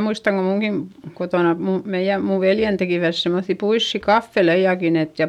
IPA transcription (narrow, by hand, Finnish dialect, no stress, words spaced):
muistɑŋ ko muŋɡ̊in kotoˑnɑ mu meij̆æ muʋ ʋeljen tekiˑʋæt semːoθːi puisːi kɑfːelejɑkin et jɑ